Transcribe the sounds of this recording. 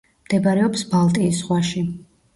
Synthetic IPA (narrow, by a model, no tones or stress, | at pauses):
md̪̥ɛbaɾɛɔpsbalˠt̪ʼiːs̬ʁwaʃi